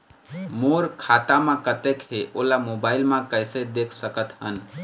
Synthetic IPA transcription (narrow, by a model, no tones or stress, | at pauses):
moɾkʰat̪amãkət̪ekɦeʔolamobailmãkəjsed̪ekʰsəkət̪ɦən